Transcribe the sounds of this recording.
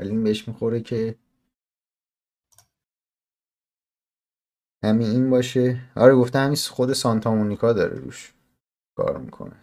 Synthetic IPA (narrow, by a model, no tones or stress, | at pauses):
æliiːnbeeʃmixo̞ɾecʰe̞ | hæmiiːnbɒːʃe̞ɒ̰ːɾeɡo̞ft̪ehæminsχod̪e̞sɒnt̪ʰɒmonikʰɒːd̪ɒ̰ːɾḛɾṵʃ | kʰɒ̰ːɾmḭkʰo̞̰nḛ